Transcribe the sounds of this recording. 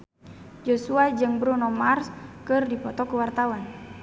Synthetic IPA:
d͡ʒosuad͡ʒɨŋbɾunɔmarskɨrdipɔt̪ɔkəwart̪awan

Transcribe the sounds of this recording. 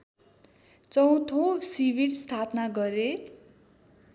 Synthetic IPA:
t͡sʌw̃t̪ʰõsibiɾst̪ʰapnaɡʌɾe

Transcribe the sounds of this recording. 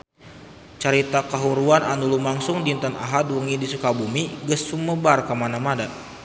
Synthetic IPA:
t͡ʃaɾit̪akaɦuɾuananulumaŋsʊŋdint̪əna̰ɦadwəŋidisukabumiɡəsːuməbarkamanamada

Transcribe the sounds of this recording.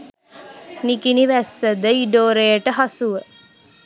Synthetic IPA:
nikiniʋæsːəd̪əiɖoːɾejəʈəɦasuʋə

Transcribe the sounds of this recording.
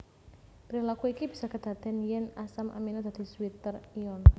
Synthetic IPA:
pɾilakuikib̥i̤̥sakəd̪̥a̤d̪̥ɛnjɛnasamʔa̰minɔd̪äd̪̥i̤swit̪əriɔn

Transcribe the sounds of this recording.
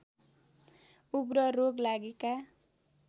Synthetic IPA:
uɡɾʌroɡlaɡeka

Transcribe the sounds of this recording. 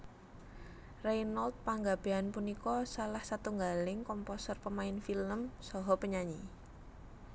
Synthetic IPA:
rejnɔlt̪̚paŋɡab̥e̤ɦanpunikɔsalahsat̪uŋɡalɪŋkɔmposərpəmaɪnfiləmsɔɦɔpəɲaɲi

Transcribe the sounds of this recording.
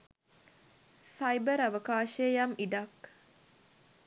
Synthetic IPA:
sajbəɾaʋəkaːʃejamiɖak

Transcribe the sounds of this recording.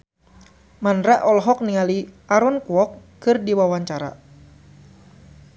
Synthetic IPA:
manɾaʔɔlɦɔk̚niŋaliʔaɾɔnkuɔkːɨrdiwawaɲt͡ʃaɾa̰

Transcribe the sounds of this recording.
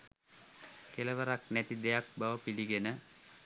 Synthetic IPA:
keləʋəɾaknæt̪id̪ejak̚baʋəpiliɡenə

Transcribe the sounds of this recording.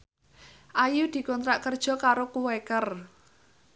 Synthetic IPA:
ʔajud̪̥i̤kɔnt̪ɾaʔkərd̥ʒ̥ɔ̤kaɾokuwekər

